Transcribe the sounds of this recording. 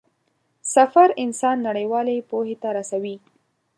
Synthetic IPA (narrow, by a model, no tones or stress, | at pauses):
safaɾɪnsɑnːaɽəjwɑlepohet̪aɾasawi